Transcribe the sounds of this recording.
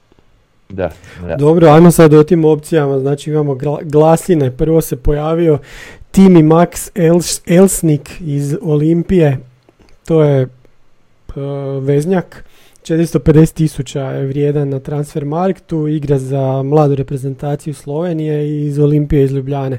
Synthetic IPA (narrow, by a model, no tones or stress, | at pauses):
d̪o̞bɾo̞ajmosad̪ot̪imo̞pt̪sijamaznaːt͡ʃiimamo̞ɡaɡlˠasine̞pr̩ʋo̞se̞po̞jaːʋio̞t̪imimakselsnikizolimpije̞ | t̪o̞ːje̞ | ʋe̞zɲak | t͡ʃe̞t̪ɾist̪o̞pe̞d̪e̞set̪ːisut͡ɕajeʋɾje̞ːd̪anːat̪ɾansfe̞ɾmaɾkt̪uiɡɾazamlˠaːd̪uɾe̞pɾe̞ze̞nt̪aːt̪sijuslˠo̞ʋe̞nije̞iːzo̞limpije̞izʎubʎaːne̞